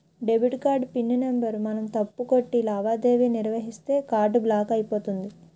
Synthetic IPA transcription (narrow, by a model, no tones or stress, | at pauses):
ɖe̞biʈkaːɾɖpinːɐnembɐɾmɐnɐmt̪ɐpːuko̞ʈːilaːʋaːd̪e̞ːʋiːniɾʋɐɦist̪e̞ːkaːɾɖblaːkɐjipo̞ːt̪und̪i